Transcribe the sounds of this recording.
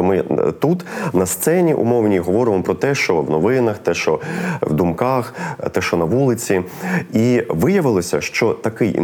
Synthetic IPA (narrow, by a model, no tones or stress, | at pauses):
mɪt̪ut̪nɐst̪sɛnʲiʔṵmɔwnʲiɦɔʋɔɾɪmmɔpɾɔt̪ɛʃt͡ʃɔwnɔʋɪnɐxt̪ɛʃt͡ʃɔwd̪umkɑxt̪ɛʃt͡ʃɔnɐʋulˠɪt͡sʲiiʋɪjɐʋɪlˠɔsʲɐ̰ʃt͡ʃɔt̪ɐkɪj̰